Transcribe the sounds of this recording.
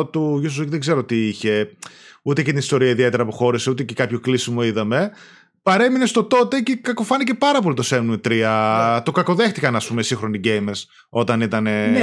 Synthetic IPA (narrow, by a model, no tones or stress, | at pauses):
t̪uʝusicðeɡzeɾot̪iiçe̞ut̪ecet̪inist̪o̞ɾiɐiðie̞t̪e̞ɾɐpoxo̞ɾiseut̪ecekɐpço̞klisimo̞iðɐme̞ | pɐɾe̞minest̪o̞t̪o̞t̪e̞cekɐko̞fɐnice̞pɐɾɐpo̞lit̪osemnumit̪ɾiɐt̪o̞kɐko̞ðe̞xt̪ikɐnɐspumesĩŋxɾo̞niɟejmes | o̞t̪ɐnit̪ɐne̞